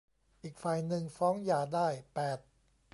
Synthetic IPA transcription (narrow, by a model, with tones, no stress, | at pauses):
ʔiː˨˩k̚fa˨˩jnɯ˧ŋfɔː˦˥ŋjaː˨˩daː˥˩jpɛː˨˩t̪̚